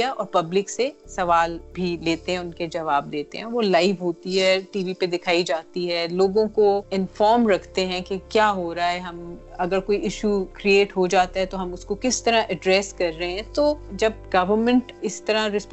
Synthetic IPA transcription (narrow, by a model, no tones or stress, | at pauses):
aʔɔːɾpɐblɪksesɐʋaːlbʱileːt̪eɦɛ̃ʊnked͡ʒɐʋaːb̚d̪eːt̪ḛ̃ɦɛ̃ʋolaːɪʋɦoːt̪iɦɛːʈiːʋiped̪ɪkʰaːid͡ʒaːt̪iɦɛːloːɡõkoɪnfɔːɾmɾɐkʰt̪eɦɛ̃kekjaːɦoːɾaaɦɛɦɐmɐɡəɾkoːiɪʃukɾieːʈɦod͡ʒaːt̪aɦɛt̪oɦɐmʊskokɪst̪ɐɾãʔɛɖɾɛːskɐɾːɐɦeɦɛ̃t̪oːd͡ʒɐb̚ɡɐʋəɾmɛ̃ɳʈɪst̪ɐɾãɾɪsp